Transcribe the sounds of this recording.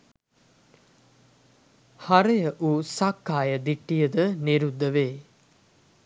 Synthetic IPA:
haɾejəʔuːsakːaːjəd̪iʈːijəd̪əniɾud̪ːəʋeː

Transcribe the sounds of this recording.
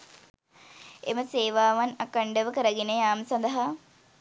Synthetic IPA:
ḛməseːʋaːʋɐnɐkəɳɖəʋəkəɾəɡenejaːmsɐnd̪ɐɦa

